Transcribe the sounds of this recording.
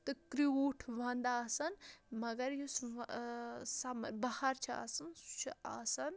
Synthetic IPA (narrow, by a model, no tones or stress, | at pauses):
t̪ɨkɾioːʈʰʋɐ̃nd̪aːsɐnmɐɡɐɾjus | sɐmɐɾbɐhɐɾt͡ʃʰia̰ːsɐnst͡ʃʰia̰ːsɐn